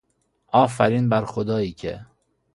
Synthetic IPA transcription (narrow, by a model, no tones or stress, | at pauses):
ɒːfæɾiːnbæɾxod̪ɒːiːkʰḛ